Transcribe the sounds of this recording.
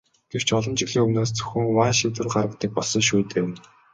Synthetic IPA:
ɡ̥ew̥t͡ɕʰɔɮɞ̆mt͡ɕɪ̆ɣɮiːŋɵmnoːst͡sɵ̥xʲɘ̆ŋwaːʃiwt̪ɘ̆ə̆rɢarə̆t̪iːk̚pɔɮsɞ̆ŋʃuːt̪eːm

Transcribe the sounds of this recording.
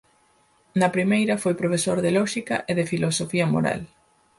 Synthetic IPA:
nɐpɾimejɾɐfojpɾofesoɾðelɔʃikɐ̰ʔeðɪfilosofiɐmo̰ɾa̰l

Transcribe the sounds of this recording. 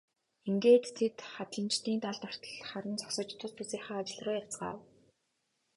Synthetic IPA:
eŋɡeːt̪ːʰet̪χat̪ɮə̆nt͡ɕt̪iːnt̪aɮt̪ar̥t̪ə̥̆ɮχaɾə̆nt͡sʰɔ̥ksɞ̆t͡ɕt̪ʰʊst̪ʰut͡seːχaːat͡ɕɪ̆ɮrʊːjat͡sɢa̰ːw

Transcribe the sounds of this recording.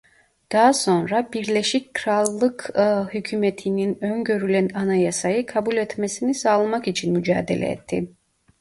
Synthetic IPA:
d̪̥aɦaso̞nɾabiɾlʲeʃic̚kʰɾalˠːɯkhycʰymet̪ʰininø̞nɟø̞ɾylʲænanajasajɯkʰabulʲɛt̪mesinisaːlˠamakit͡ʃʰinmyd͡ʒaːd̪ḛlʲɛ̰ɛ̰t̪ʰːḭ

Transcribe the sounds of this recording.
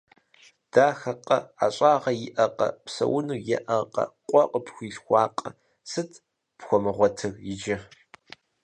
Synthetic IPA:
d̥aːxɐqʼɐ̰a̰ɕʼaːʁɐjɪʔɐqʼɐ̰psɐ̰wʊnuːjɛ̰ʔɐqʼɐ̰qʷʼɔqʼəpxʷiːɬxʷɑːqʼɐ | sɨtʰ | pxʷɔmɨʁʷɔtʰɨrjɪd͡ʒɐ

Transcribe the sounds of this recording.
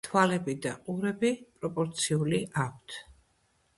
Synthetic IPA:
t̪ʰwalɛbid̪aqʼuɾɛbipʼɾɔpʼɔɾt̪sʰiuliʔak̚ʷʰt̪ʰ

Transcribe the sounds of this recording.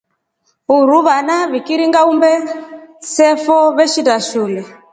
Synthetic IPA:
uɾuβanaβikiɾiŋɡaumbɛ | sɛfɔβɛʃitaʃulɛ

